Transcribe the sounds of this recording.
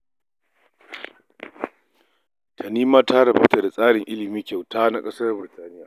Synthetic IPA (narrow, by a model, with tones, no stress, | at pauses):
tʰa˨niː˦maː˦ta˦ɽɐ˨bɐ˦wta˨da˨sʼaː˦ɽɪ˨ŋʔɪ˦lɪ˨miː˦kʲa˨wtaː˦na˦kʼɐ˦sɐ˦rbɪ˨ɾtaː˦nɪ˦jaː˨